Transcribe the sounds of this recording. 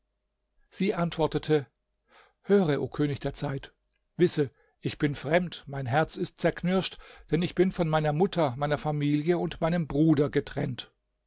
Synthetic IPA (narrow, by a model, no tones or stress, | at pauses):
z̥iːʔantv̥ɔɐtətʰə | høːʁəʔo̰ːkʰøːnɪçd̥eːɐt͡saɪt | v̥ɪsə | ʔɪçb̥ɪnfʁ̥ɛmtmaɪnɦɛɐt͡sɪst̚t͡sɛɐkʰnʏɐʃtd̥ɛnɪçb̥ɪnfɔnmaɪnɐmʊtʰɐmaɪnɐfamiːljəʊntmaɪnəmbʁuːdɐɡətʁ̥ɛ̰nt